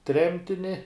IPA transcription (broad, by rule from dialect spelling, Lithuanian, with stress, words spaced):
ˈtʲrʲɛmʲtʲɪnʲɪ